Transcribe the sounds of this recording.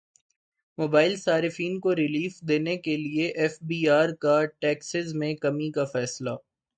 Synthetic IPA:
moːbaːɪlsaːɾɪfiːnkoɾɪliːfd̪eːnekelieʔɛːfbiːaːɾkaʈɛːksɪzmẽkɐmikafɛːslaː

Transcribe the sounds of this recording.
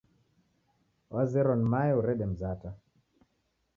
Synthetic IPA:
wazɛɾɔnimaɛuɾɛɗɛm̩zata

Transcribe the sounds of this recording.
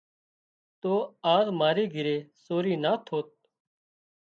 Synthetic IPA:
t̪oːaːzmaːɾeːɡʱɪɾeːsoːɾiːnaːt̪ʰoːt̪̚

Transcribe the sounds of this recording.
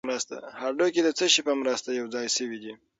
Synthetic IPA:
ɾast̪a̰haɾɖoked̪ət͡səʃɪpamɾəst̪ajawd͡zɑjsəwid̪i

